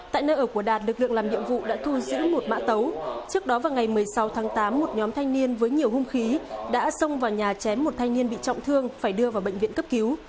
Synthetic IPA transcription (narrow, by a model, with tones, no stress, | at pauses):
t̪a̰ː˧˨jnə̰ː˧ʔəː˧˩ku˧˩əɗaː˨˩t̚lɨ˨˩k̚lɨ̰˧əŋlaː˨˩mɗḭ˧˨əmvṵ˧˨ɗa̰ː˧˥t̪ʰu˧zɨ̰˧˥mo˨˩t̚ma̰ː˧˥t̪ə˨˦wt͡ɕɨ˦˥ək̚ɗɔ˨˦vaː˨˩wŋa˨˩jmɨ˨˩əjsa˨˦wt̪ʰaː˨˦ŋt̪aː˨˦mːo˨˩t̚ɲɔ˨˦mt̪ʰa˧jŋni˧ənvəː˨˦jɲi˨˩əwhu˧ŋ͡mxi˨˦ɗa̰ː˧˥sə˧wŋ͡mvaː˨˩wɲaː˨˩t͡ɕɛ˨˦mːo˨˩t̚t̪ʰa˧ŋni˧ənɓḭ˧˨t͡ɕɔ̰˧˨wŋ͡mt̪ʰɨ˧əŋfaː˧˩jɗɨ˧əvaː˨˩wɓə̰˧˨ŋv̰nkə˦˥p̚ki˨˦w